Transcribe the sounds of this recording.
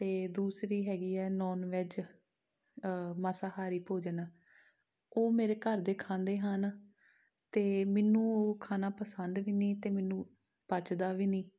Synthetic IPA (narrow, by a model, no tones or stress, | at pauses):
t̪eːd̪uːsɾiːɦɛːɡiːɛːnɔːnʋet͡ʃ | masaːhaːɾiːpoːd͡ʒnaː | oːmeːɾeːkəɾd̪eːkʰãːnd̪eːɦən | t̪eːmɪnːũːoːkʰaːnaːpəsənd̪ʋiːniːt̪eːmɛnũː | pət͡ʃd̪aːʋiːnĩː